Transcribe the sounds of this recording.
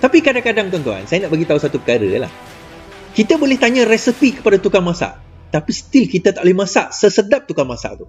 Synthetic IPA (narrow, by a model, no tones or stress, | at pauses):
t̪apikadaŋkadaŋpt̪uɔnt̪ua̰nsajanaʔbaɡit̪ausat̪upəkaɾə̰la̰h | kit̪abolɛht̪aɲãrɛsəpikə̥padat̪ukaŋmãsa̰ʔ | t̪apist̪ilkit̪at̪aʔlimãsa̰ʔsəsədap̚t̪ukaŋmasa̰ʔt̪u